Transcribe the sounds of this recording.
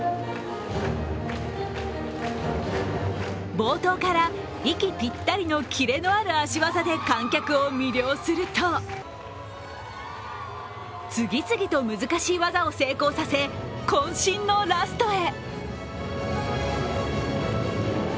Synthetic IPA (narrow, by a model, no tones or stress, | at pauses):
bo̞ːt̪o̞ːkaɾa | ikʲipʲit̪ːaɾʲino̞kʲʰiɾe̞no̞aɾɯ̟aɕiβazad̪e̞kãŋkʲakɯ̟o̞mʲiɾʲjo̞ːsɨɾɯ̟t̪o̞ | t͡sɨɡʲit͡sɨɡʲit̪o̞mɯzɨkaɕiːβazaose̞ːko̞ːsase̞kõɰ̃ɕĩnːo̞ɾasɨ̥t̪o̞e̞